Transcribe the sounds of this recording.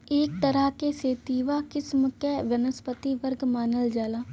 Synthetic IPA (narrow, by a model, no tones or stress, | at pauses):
eːk̚t̪ɐɾəɦkeseːt̪iːʋakɪsmkeʋjɐnəspət̪iʋəɾɡmaːnəld͡ʒaːlaː